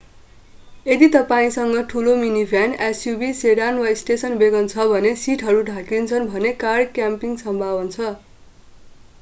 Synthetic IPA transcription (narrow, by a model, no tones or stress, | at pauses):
ed̪it̪ʌpaĩsʌŋɡʌʈʰulominibʱjanesjubiseɽanwaisʈesʌnbeɡʌnt͡sʰʌbʱʌnesiʈʰɦʌɾuɖʱakint͡sʰʌnbʱʌnekarkjampiŋsʌmbʱabʌnt͡sʰʌ